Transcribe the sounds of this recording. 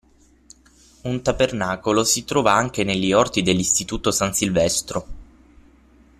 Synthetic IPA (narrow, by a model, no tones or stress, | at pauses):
unt̪abernaːkolosit̪ɾɔːvaaŋk̟enelːiɔrt̪id̪elːist̪it̪uːt̪osansilvɛst̪ɾo